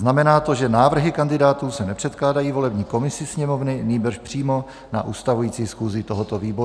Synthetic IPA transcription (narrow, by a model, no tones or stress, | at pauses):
znamɛnaːt̪o̞ʒɛnaːvr̩ɦɪkandɪdaːt̪uːsɛnɛpr̝̥ɛt̪klaːdajiːvo̞lɛbɲiːko̞mɪsɪsɲɛmovnɪniːbr̩ʃpr̝̥iːmo̞ | na̰ʔuːst̪avujiːt͡siːsxuːzɪt̪oɦot̪oviːbo̞ɾu